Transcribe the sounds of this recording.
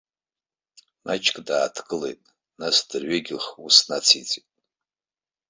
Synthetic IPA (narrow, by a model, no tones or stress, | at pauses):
mat͡ʃʼkʼdaːtʰkʼɨle̞̰jtʼ | nasdɨrɥeɡʲχusnat͡sʰit͡sʼitʼ